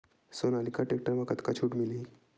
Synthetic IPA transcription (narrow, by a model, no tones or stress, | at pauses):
sonalikaʈek̚ʈəɾmakət̪kat͡ɕʰuːʈmiliː